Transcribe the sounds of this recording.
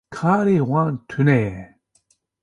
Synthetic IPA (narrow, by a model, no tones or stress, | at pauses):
kʰaɾiwaŋt̪ʰyne